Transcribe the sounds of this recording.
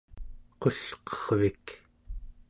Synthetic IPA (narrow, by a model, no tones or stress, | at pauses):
qo̞ɬqʌ̥ʁvik